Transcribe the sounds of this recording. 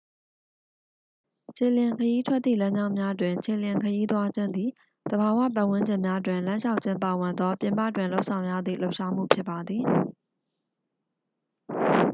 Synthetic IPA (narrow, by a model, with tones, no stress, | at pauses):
t͡ɕʰe˨ljɪ̃˨ŋkʰəji˦tʰwɛ˦t̪t̪ːḭ˦˨lã˦ɲd͡ʑã˦ʊ̃mja˦dwɪ̃˨ɲt͡ɕʰe˨ljɪ̃˨ŋkʰəji˦t̪wa˦d͡ʑɪ̃˦˨nd̪i˨ | d̪̥əba˨wä̰˦˨p̬ã˦ʔwɪ̃˦ɲd͡ʑɪ̃˨mja˦dwɪ̃˨nlã˦ʃa˦ʊʔt͡ɕʰɪ̃˦mpa˨wɪ̃˨nd̪ðɔ˦pjɪ̃˨mpä̰˦˨twɪ̃˨lo˦ʊʔsʰã˨ʊ̃jä̰˦˨d̪ðḭ˦˨lo˦ʊʔʃa˦m̥ṵ˦˨pʰjɪ˦pːa˨d̪ði˨